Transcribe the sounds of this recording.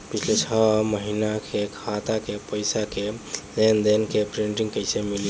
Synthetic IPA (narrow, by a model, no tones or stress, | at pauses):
pit͡ʃʰlet͡ʃʰəməɦinakekʰat̪akepəjsakelend̪enkepɾiɳʈiŋkəɪsemil